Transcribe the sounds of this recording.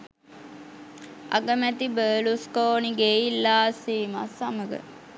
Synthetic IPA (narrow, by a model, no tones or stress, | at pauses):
a̰ɡəmæt̪ibəːluskoːniɡeːilːaːsiːma̰saməɡə̰